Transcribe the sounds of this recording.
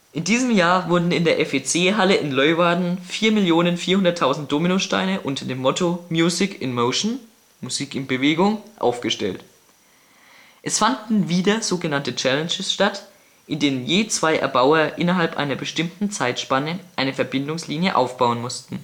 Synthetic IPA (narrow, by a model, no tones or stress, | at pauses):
ʔɪndiːzəmjaːɐvʊɐdn̩ɪndeːɐʔɛfet͡seːɦaləʔɪnlɔʏvaɐdn̩fiːɐmɪljoːnənfiːɐhʊndɐtʰːaʊzn̩t̚d̥oːminoʃta̰ɪnəʔʊntʰɐdeːmːɔtʰomjuːzɪkɪnmoʊʃn̩ | muziːkɪnb̥əveːɡʊŋʔa̰ʊfɡ̥əʃtɛ̰lt | ʔɛsfandn̩viːdɐz̥oːɡənantət͡ʃɛlɛnʃəsʃtat | ʔɪndeːnənjeːt͡sv̥aɪʔɛ̰ɐbaʊɐʔɪnɐɦalpʔa̰ɪnɐbəʃtɪmtn̩t͡saɪtʃpanəʔaɪnəfɛɐbɪndʊŋsliːnjəʔa̰ʊfb̥aʊənmʊstn̩